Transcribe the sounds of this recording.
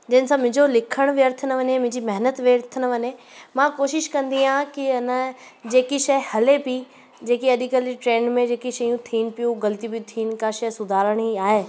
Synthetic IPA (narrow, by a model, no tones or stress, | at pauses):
d͡ʑɪnsãmɪ̃ːɲd͡ʑolɪkʰəɽ̃ʋɪjəɾt̪ʰənəʋɐɲemʊ̃ɲd͡ʑimɐɦnət̪ʋeːɾt̪ʰənəʋɐɲe | mãkoːʃɪʃkɐ̃nd̪iãkiɐnəd͡ʑeːkiʃɐjhɐlepi | d͡ʑeːkiɐd̪ikəliʈɾẽːɳɖmẽd͡ʑeːkiʃɐjũt̪ʰiːn̆pijũɡɐlt̪ibit̪ʰiːnkaʃɐjsʊd̪ʱaːɾəɽ̃ɦiaːɦeː